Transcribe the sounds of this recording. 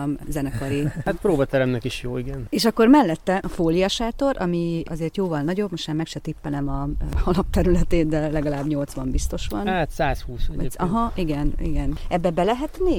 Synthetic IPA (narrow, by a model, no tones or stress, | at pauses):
mzɛnɛkɒɾihat̪̚pɾoːbɒt̪ɛɾɛmnɛkiʃjoːiɡɛneːʃɒkːo̞rmɛlːɛt̪ːɛʔɒfoːliɒʃaːt̪o̞ɾʔɒ̰miɒ̰zeːrt̪joːvɒlnɒɟo̞bmoʃt̪maːmɛkʃɛt̪ipːɛlɛmɒhɒlɒp̚t̪ɛɾylɛt̪eːnd̪ɛlɛɡɒlaːbɲo̞lt̪sʋɒmbist̪o̞ʃʋɒnaːt̪saːshuːsɛɒɦɒʔiɡɛnḭɡɛnɛbːɛbɛlɛɦɛt̪neː